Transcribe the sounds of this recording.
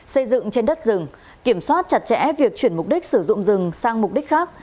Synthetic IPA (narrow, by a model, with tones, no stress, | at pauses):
sə˧jzɨ̰˧˨ŋt͡ɕe˧nɗə˦˥t̚zɨ˨˩ŋ | ki˧˩əmswaː˦˥t̚t͡ɕa˨˩t̚t͡ɕɛ̰˧˥vi˨˩ək̚t͡ɕwi˧˩əmʊ˨˩k͡p̚ɗi˦˥k̟̚sɨ˧˩zʊ̰˧˨ŋ͡mzɨ˨˩ŋsaː˧ŋmʊ˨˩k͡p̚ɗi˦˥k̚xaː˦˥k̚